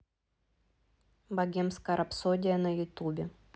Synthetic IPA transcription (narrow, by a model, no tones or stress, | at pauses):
bɐɡʲemskɐɾʔɐpsodʲɪjɐnɐjʊt̪ubʲɪ